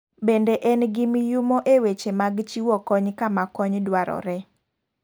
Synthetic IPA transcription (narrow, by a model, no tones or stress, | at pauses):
bendeʔɛnɡimjʊmoʔewet͡ʃemaɡt͡ʃiwɔkɔɲkamakɔɲdwaɾɔ̰ɾɛ